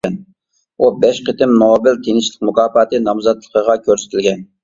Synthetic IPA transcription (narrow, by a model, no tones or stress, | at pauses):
ɛn | ubɛʃqət̪ɪmnoːbɪlt̪ʰeŋɪʃlˠɪqmʊkʰɑːfɑt̪ʰɨnɑmzɑt̪lˠəqʰəʁɑkʲʰøɾsɪ̥t̪ʰɪlɡʲɛn